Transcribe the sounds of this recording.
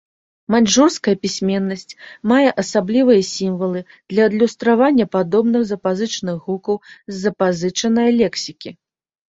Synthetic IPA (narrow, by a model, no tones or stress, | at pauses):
manʲʐurskɐjɐpʲisʲmʲɛnːɐsʲt͡sʲmajɛʔɐsablʲivɨjɐsʲimvɐlˠɨ | d̪̥lʲɐːd̪lʲust̪ɾavanʲːɐpad̪ɔbnɨxzɐpazɨt͡ʂɐnɨɣukɐwzʲːɐpazɨt͡ʂɐnɐjɐlʲɛksʲikʲi